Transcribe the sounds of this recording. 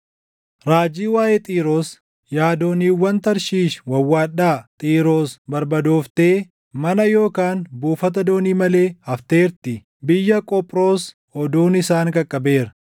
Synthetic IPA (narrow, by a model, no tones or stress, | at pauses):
ɾaːd͡ʒiːwaːjeːt̪ʼiːɾo̞ːs | jaːd̪o̞ːniːwːɐnt̪ɐɾʃiːʃwɐwːaːᶑaːt̪ʼiːɾo̞ːsbɐɾbɐd̪oːft̪e̞ː | mɐnɐjo̞ːkaːnbuːfɐt̪̬ɐd̪o̞ːniːmɐle̞ːhɐft̪e̞ːɾt̪ɪ | bɪjːɐkʼɔpʼɾo̞ːs | ɔd̪uːnɪsaːŋkʼɐkʼːɐbe̞ːɾɐ